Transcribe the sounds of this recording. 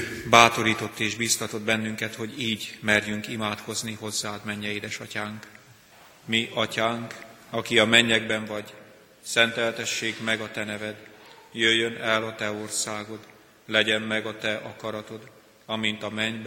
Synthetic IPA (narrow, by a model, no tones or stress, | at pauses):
baːt̪o̞ɾiːt̪o̞t̪ːeːʒbiːst̪ɒt̪o̞d̪bɛnːyŋkɛt̪ho̞ɟiːɟmɛrjyŋkimaːt̪ko̞zniɦo̞zːaːd̪mɛɲːɛeːd̪ɛʃɒcaːŋk | miʔɒcaːŋk | ɒkiɒmɛɲːɛɡ̚bɛɱvɒɟ | sɛnt̪ɛlt̪ɛʃːeːɡmɛɡɒt̪ɛnɛvɛd̪jøjːønɛlɒt̪ɛo̞rsaːɡo̞d̪ | lɛɟɛmːɛɡɒt̪ɛʔɒkɒɾɒt̪o̞d̪ | ɒmint̪ɒmɛɲb